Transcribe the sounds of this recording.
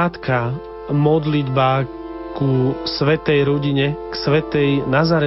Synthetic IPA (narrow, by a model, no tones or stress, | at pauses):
at̪ka | mɔd̪lid̪baː | kusʋɛt̪ɛjɾɔɟiɲɛksʋɛt̪ɛjnazaːɾɛ